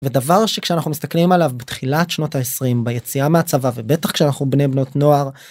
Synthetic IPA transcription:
ved̪avaʁʃekʃeanaχnumist̪aklimalavbet̪χilatʃno̞taesʁimbejet͡siameat͡savavebe̞t̪aχkʃeanaχnubne̞bno̞tno̞aʁ

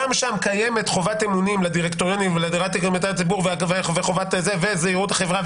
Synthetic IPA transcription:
amʃamkaje̞me̞tχo̞vatemunimladiʁekt̪oʁjonimveladʁatikmatat͡sibuʁveveveχovatzevezeiʁutaχe̞vʁa

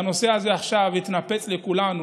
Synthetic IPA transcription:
no̞se̞aze̞aχʃavit̪nape̞t͡slekulanu

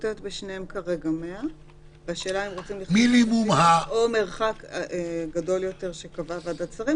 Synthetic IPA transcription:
tet̪beʃnehemkaʁe̞ɡamea | veaʃe̞ːlaemʁot͡simliminimumhaome̞ʁχakeɡado̞ljo̞te̞ʁʃe̞kavavadat͡saʁim

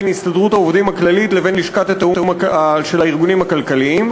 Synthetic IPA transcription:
nist̪adʁut̪haovdimaklalitle̞ve̞nliʃkat̪at̪auamaʃelaiʁɡunimakalkaliim

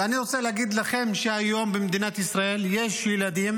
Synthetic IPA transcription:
aniʁot͡seleaɡid̪laχe̞mʃeajo̞mbemd̪inat̪isʁae̞lje̞ʃjelad̪im

